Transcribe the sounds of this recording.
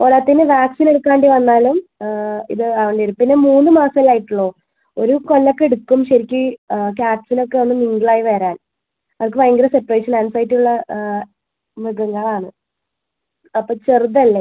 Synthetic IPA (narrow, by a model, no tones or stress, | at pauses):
poːlat̪ːinɨʋjaːksineɽukːaːɳɖiʋɐnːaːlumḭðɨɐʋɐɳɖeɾumpinːe̞muːnːɨmaːsɐilaːjiʈːuɭːo̞ː | oɾuko̞lːɐkːee̞ɽukːumɕɐɾikʲːɨkaːʈsinokːe̞onːɨmiŋɡɭaːjiʋeːɾaːn | ɐðk̬ːɨʋɐjŋɡɾɐse̞pːɐreːʂɐnansɐjtːiuɭːɐ | mɨɣɐŋːɐɭaːɳɨ | ɐpːoːt͡ɕerud̪ɐlːe